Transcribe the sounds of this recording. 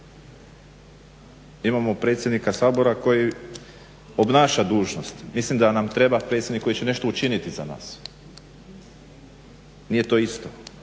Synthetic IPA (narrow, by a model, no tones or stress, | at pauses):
imamo̞pɾe̞ːt̪sʲjed̪nikasaːbo̞ɾako̞ji | o̞bnaːʃad̪uːʒno̞st̪mislimd̪anamt̪ɾe̞bapɾet̪sʲed̪nikːo̞jit͡ɕene̞ʃt̪o̞ut͡ʃinit̪iza̰na̰ːs | nije̞t̪o̞ist̪o̞